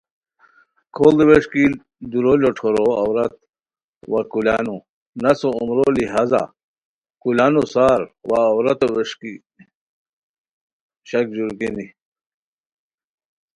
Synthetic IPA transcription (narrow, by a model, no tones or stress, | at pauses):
kʰold̪iweʂki | d̪uɾoloʈʰoɾoɐ̰wɾɐt̪̚ | wakulanu | nɐsoumɾoliɦaːza̰ | kulaːnusaːɾwaːwɾɐt̪oweʂki | ɕɐkd͡ʑuɾkini